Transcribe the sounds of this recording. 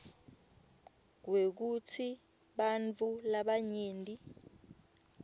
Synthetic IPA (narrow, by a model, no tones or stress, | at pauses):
k̬wek̬utʰi | ɓant͡fʰʼulaɓaɲeːndʱʼi